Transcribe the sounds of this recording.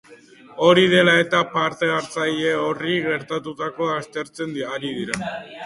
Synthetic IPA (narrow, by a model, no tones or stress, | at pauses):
o̞ɾiðe̞lae̞t̪apaɾt̪e̞aɾt͡saje̞oriɣe̞ɾt̪at̪ut̪ako̞ast̪e̞ɾt͡se̞nd̪aɾiðiɾa